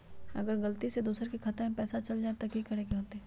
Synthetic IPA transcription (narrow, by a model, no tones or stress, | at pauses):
ɐ̰ɡəɾɡɐlt̪ised̪uːsəɾkikʰɐt̪ẽpɛːsat͡ʃɐld͡ʒaːet̪ɐkikɐɽeɡeɦoːt̪ɛː